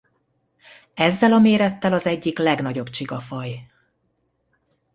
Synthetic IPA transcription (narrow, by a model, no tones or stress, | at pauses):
ɛzːɛlɒmeːɾɛt̪ːɛlɒzɛɟːiklɛɡnɒɟobt͡ʃiɡɒfɒj